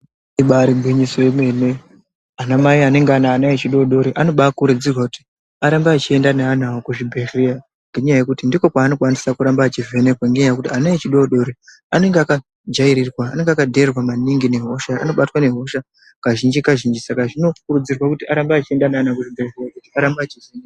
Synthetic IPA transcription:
iɓaɾibʱwiɲisoeme̞ne | anamaiane̞ŋɡeanaːnait͡ʃiɗo̞ɗo̞ɾiʔano̞ɓakuɾud͡zirwakuti̥ | aɾambaːt͡ʃie̞ndanean̤aokuʐibʱeria | ŋɡeɲajaje̞kutindiko̞kwaːno̞kwanisakuɾambat͡ʃivenekwaŋɡeɲajakutianait͡ʃiɗo̞ɗo̞ɾi | ane̞ŋɡeaka | d͡ʒaiɾirwaːne̞ŋɡeakadʱe̞rwamaniŋɡine̞ɦo̞ʃaa̰no̞ɓatwane̞ɦo̞ʃa | kaʒind͡ʒikaʒind͡ʒisakaʐino̞kuɾud͡zirwakutiaɾambaːt͡ʃie̞ndanaanakuʐibʱerrijakutiaɾambaːt͡ʃiven

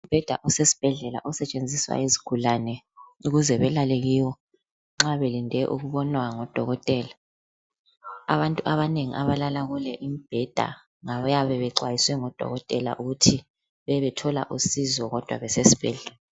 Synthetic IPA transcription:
umb̥ʱɛd̥ʱa̰ʔɔsesi̥b̥ʱɛɮɛla̰ʔɔsɛt͡ʃʼend͡zʱiswa̰ezi̥ɡ̥ʱulanɛ | uɣuzɛβɛlaleɣiwɔ | ŋ͡ǁaβelindʱɛʔuɣuβɔnwaŋɔd̥ʱɔɣɔtʼɛla | a̰βantʼuʔaβaneŋḭʔaβalalaɣulɛʔimib̥ʱɛd̥ʱa̰ | ŋaβjaβɛβɛǀwajiswɛŋɔd̥ʱɔ̰ɣɔtʼɛla̰ʔuɣutʰi | βɛβɛtʰɔla̰ʔusizɔɣɔd̥ʱwa̰βɛsesi̥b̥ʱɛɮɛla

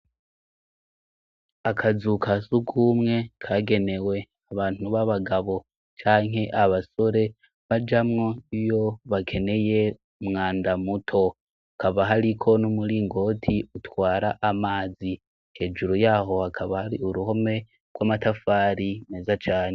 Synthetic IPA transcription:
akʰazukʰasuɡumŋe̞kʰaɡe̞ne̞we̞ | aβaːn̥uβaβaɡaβo̞ | t͡ʃaːŋɦe̞ʔaβaso̞ɾe̞ | βad͡ʒamŋo̞ijo̞βakʰe̞ne̞je̞ | mŋaːndamutʰo̞ | akaβaɦaɾikʰo̞numuɾiːŋɡo̞ːtʰiutwaːɾaʔamaːzi | he̞ːd͡ʒuɾojaːɦo̞hakʰaβahaɾiuɾuho̞me̞ | ɡwaːmatafaːɾineːzat͡ʃaːɲe

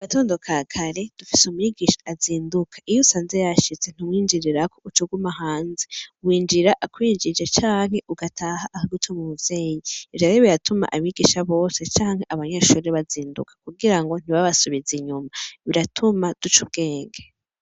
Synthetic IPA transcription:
aβato̞ːndo̞kʰakʰaɾe̞d̥ufisumujiɡiʃḁːziːndukʰḁʔijusaːnzejaʃit͡se̞n̥imwiːnd͡ʒiɾiɾako̞ut͡ʃuɡumaɦaːnzemwiːnd͡ʒiɾaʔakwiːnd͡ʒid͡ʒet͡ʃaːŋ̥he̞ʔuɡatʰahaʔːhaɡutʰomumuvje̞ːjiiaɾeβijatuma̰ʔaβiɡiːʃaβo̞ːse̞t͡ʃaːŋhe̞ʔaβaɲeʃuːɾeβaziːndṵkʰḁkuɡiɾaŋɡo̞n̥iβaβasuβiziɲumaβiɾatʰumad̥ut͡ʃub̚ɡe̞ːŋɡe

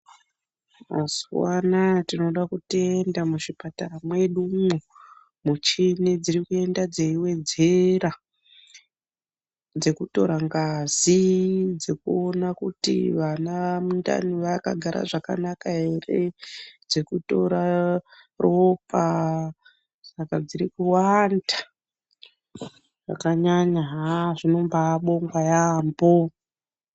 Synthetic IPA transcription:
maswanatino̞ɗakutiendamuʐipataɾamwe̞ɗumu | mut͡ʃined͡zirikue̞ndad͡zeiwe̞d͡ze̞ra | d͡ze̞kuto̞̰ɾaŋɡazid͡zekuonakutḭʋanaamunda̰niʋaka̰ɡʱaɾa̰ʐaka̰nakaɦe̞re̞d͡ze̞kuto̞ɾa | ropa | sakad͡ziɾikuwanda | ʐ̥a̰kaɲaɲaɦaʐino̞mbaɓo̞ŋɡwajaːmbo

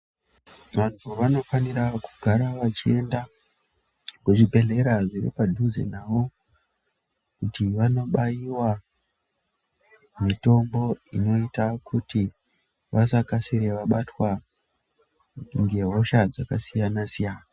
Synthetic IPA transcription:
ʋantʰuʋano̞faniɾakuɡʱaɾaʋat͡ʃie̞nda | kweʐibʱe̞ɮe̞ɾaʐirḭpadʱuzḛnaʋo̞ | kutiʋano̞ɓajiwa | mito̞mbo̞ḭno̞itakʰuti | ʋasakasiɾe̞ʋaɓatwa | ŋɡe̞ɦo̞ʃad͡zakasijanasijaːna

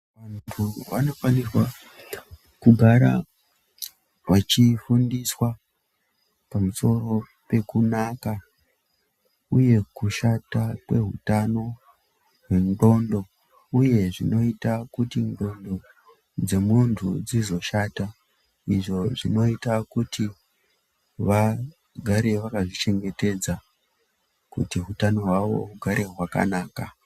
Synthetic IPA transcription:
ʋantʰuʋano̞faniswa | kuɡʱaɾa̰ | ʋat͡ʃifundiswa | pamuso̞ro̞ | pe̞kunaka | uje̞kuʃatakwe̞ɦutano̞ | ɦwe̞ndo̞ndo̞ | uje̞ʐino̞itakutindo̞ndo̞ | d͡ze̞muntʰṵd͡zizo̞ʃata | iʐo̞ʐino̞itakuti | ʋa | ɡʱaɾe̞ʋakaʐit͡ʃe̞ŋɡe̞te̞d͡za | kṵtiɦutano̞ɦwaʋo̞̰uɡʱaɾʔe̞ɦwaka̰naːka

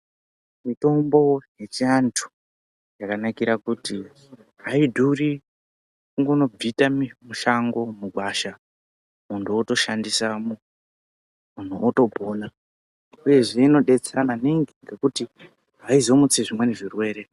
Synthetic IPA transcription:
mito̞mbo̞je̞t͡ʃiantʰu̥ | jakanakiɾakuti | ɦaidʱuri | kuŋɡono̞b͡vitammuʃaŋɡo̞muɡʱwaʃa | muntʰuoto̞ʃandisamu | mun̤uʔoto̞bʱona | uje̞ʐe̞ino̞ɗe̞t͡seananiŋɡiŋɡe̞kuti | ɦaizo̞mut͡siʐimwe̞neʐirwe̞ːɾe̞

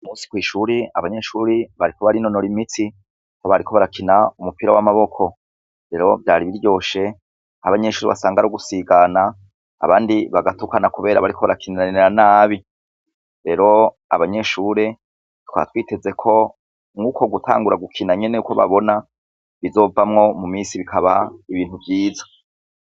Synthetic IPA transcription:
musi̥kwiːʃuːɾea̰βaɲe̞ʃuːɾiβaɾikoβaɾino̞no̞ɾimiti | koβaɾikʰo̞βaɾakʰinaumupiɾawamaβo̞kʰo̞ | ɾe̞ɾo̞vjaːɾiβiɾjo̞ːʃe̞ | haβaɲe̞ʃuːɾiβa̰saːŋɡaɾoɡusiɡana̰ː | βaːndiβaɡatukanakuβe̞ːɾaβaɾiko̞βaɾakʰinaaiɾanaːβi | ɾe̞ɾo̞ | a̰βaɲe̞ʃuːɾe̞ | twa̰twiːte̞ze̞kʰo̞ | ŋɡuːkʰo̞ɡutʰa̰ːŋɡuɾaɡukʰinaɲe̞nejuko̞βa̰βo̞na | βizo̞ːvamŋo̞mumiːsiβikʰaβaiβiːn̥huvɟiːzḁ

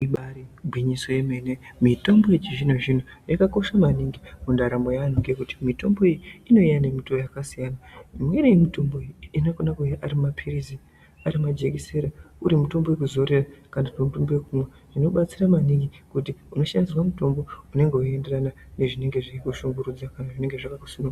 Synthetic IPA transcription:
iɓaɾibwiɲiso̞jemenemito̞mbo̞et͡ʃiʐinoʐinojakako̞ʃamaniŋɡimundaɾamo̞jaːniŋɡekuti̥mito̞mbo̞ejiino̞ijane̞mito̞jakasijanaimweɾeimito̞mbo̞inakonakuaɾimmapʰirizi | aɾimad͡ʒe̞ɡise̞ɾauɾimuto̞mbojek̬uzo̞ɾe̞rakanapemutombo̞jekumwe | ʐ̥ino̞ɓat͡siramaniŋɡikutiuno̞ʃandiswamuto̞mbo̞une̞ŋɡe̞ue̞nde̞rana | ne̞ʐine̞ŋɡe̞ʐiikuʃuŋɡuɾud͡zakanaʐine̞ŋɡe̞ʐakakusino

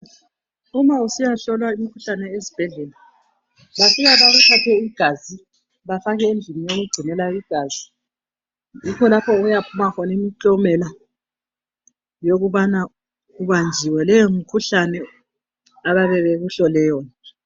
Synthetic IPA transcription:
umausijaɬɔlwaimikʰuɬanɛezib̥ʱɛɮɛːla | βasiɣaβaɣukʰatʰɛiɡ̥ʱazi | βafaɣɛend͡ɮʱinijoɣuɡ͡ǀʱinɛlaiɡ̥ʱaːzi | jikʰɔlapʰɔɣujapʰumakʰɔnimiǀɔmɛla | joɣuβana | uβand͡ʒʱiwɛlɛjomikʰuɬanɛ | aβaβɛβeɣuɬɔlɛjɔːna

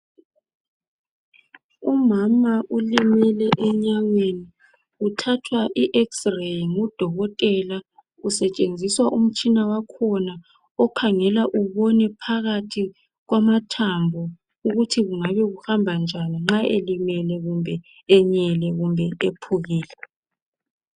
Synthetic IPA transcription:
umamaulimɛlɛʔɛɲaŋweni | utʰatʰwaʔiʔɛksrejŋud̥ʱɔɣɔtʼɛla | usɛt͡ʃʼend͡zʱiswaʔum̩t͡ʃʼinawakʰɔna | ɔkʰaŋɛlaʔuβɔnɛpʰaɣatʰi | ɣwamatʰambʱɔ | uɣutʰiɣuŋaβɛɣuhambʱand͡ʒʱaniŋ͡ǁaʔelimɛlɛɣumbʱɛ | ɛɲɛlɛɣumbʱɛepʰuɣiːlɛ

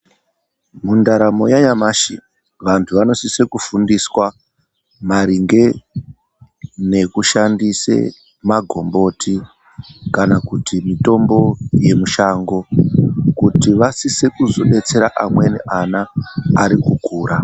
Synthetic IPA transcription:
mundaɾamo̞jaɲamaʃḭ | ʋantʰuʋano̞sisekufundiswa | maɾiŋɡe̞ | ne̞kuʃandise̞̰ | maɡʱo̞̰mbo̞tʰi | kanakutimito̞mbo̞je̞muʃaŋɡo̞kutiʋasisekuzo̞ɗe̞t͡se̞ɾaʔamwe̞nḛʔanaːɾikuɡʱuːɾa

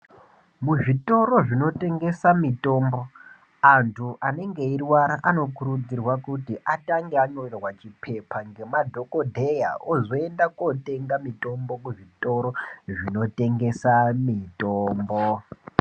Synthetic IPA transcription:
muʐito̞ɾo̞ʐino̞te̞ŋɡe̞samito̞ːmbo̞ | antʰuʔane̞ŋɡe̞irwaɾaʔano̞kuɾud͡zirwakutiʔataŋɡeaɲo̞rerwat͡ʃipʰe̞paŋɡe̞madʱo̞ko̞dʱe̞jaozoe̞ndako̞te̞ŋɡamito̞mbo̞kuʐito̞ɾoʐino̞te̞ŋɡe̞samitoːmbo

